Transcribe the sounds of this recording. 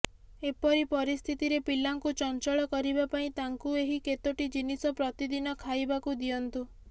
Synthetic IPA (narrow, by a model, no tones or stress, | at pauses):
epɔɾipɔɾist̪ʰit̪iɾepilaŋkut͡ʃɔnt͡ʃɔɭɔkɔɾibapaĩt̪aŋkueɦiket̪oʈid͡ʒinisɔpɾɔt̪id̪inɔkʰajbakud̪ijɔnt̪u